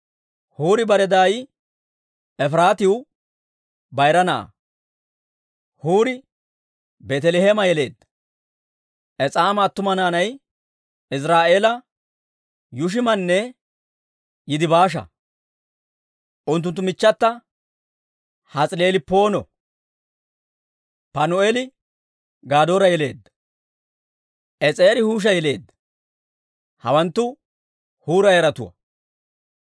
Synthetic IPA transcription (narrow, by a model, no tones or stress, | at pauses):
huːɾɪbɐɾɛd̪aːj | ɛfɾaːt̪ɪwʊ | bɐjɾɐna̰ː | huːɾɪ | bɛt̪ɛlehɛmɐjɛle̞̰ːd̪ːɐ̥ | ʔɛt͡sʼaːmɐːt̪ːʊmɐnaːnɐj | ɪs̬ɾaːʔe̞ːlɐ | jʊʃ̬ɪmɐnːɛ | jɪd̪ɪbaːʃ̬ɐ̰ | ʔʊnt̪̬ːʊnt̪ːʊmɪt͡ʃːɐt̪ːɐ | hɐt͡sʼɪleːlɪpo̞ːnɔ̰ | pɐnʊelɪ | ɡaːd̪o̞ːɾɐjɛle̞ːd̪ːɐ̥ | ʔɛt͡sʼeːɾɪhuːʃ̬ɐjɛle̞ːd̪ːɐ̥ | hɐ̰wɐnt̪ːʊ | huːɾɐjɛɾɐt̪ʊ̰wɐ̰